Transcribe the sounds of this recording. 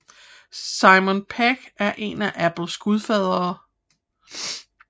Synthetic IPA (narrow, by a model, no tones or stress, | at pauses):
sɑ̈ɪmɔnpʰæɡ̥æɐʔe̝næʔæb̥l̩sɡ̥uðˠfɛð̞̰ˠʁɐː